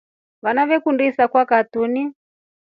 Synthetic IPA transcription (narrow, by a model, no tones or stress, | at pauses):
βanaβɛkundisakwakatuni